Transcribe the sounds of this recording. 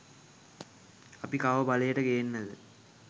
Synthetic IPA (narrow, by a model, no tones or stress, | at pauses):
ɐpikaːʋəbɐlɐjeʈəkejenːɐðɨ